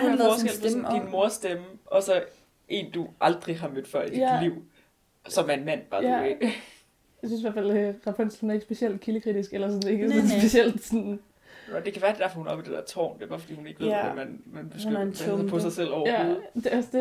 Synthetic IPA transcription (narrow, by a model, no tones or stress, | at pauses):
ɡeldinmo̝ɐsd̥eməɒ̽sɒ̽ | ʔe̝̰ːnd̥uʔɑ̈ld̥ʁiɦɑ̈med̥fɶɐ̰id̥idliʊ̰ | ssɒ̽mæɐe̝nmæn̰b̥ɑ̈ːe̥ | jaɪsynseʋæɐfæld̥eʁɑ̈fʰen̰slhunæɐe̝ɡəsb̥e̝siel̰d̥̚kʰiləkʰʁid̥isɡ̥elɐsɔ̽ne̝ɡ̥əsnsb̥esiel̰d̥sɔn | nd̥e̝kʰæʋæɐd̥ed̥æɐ̰fɒ̽hunɒ̽b̥id̥ed̥ɛ̰ɐt͡sʰɒ̰ːnd̥e̝b̥ɑ̈ːfɒd̥ḭːhune̝ɡ̥ʋe̝æmænmænb̥esɡnpʰɒsɑ̈ɪsel̰ɒ̰æd̥eɒsd̥e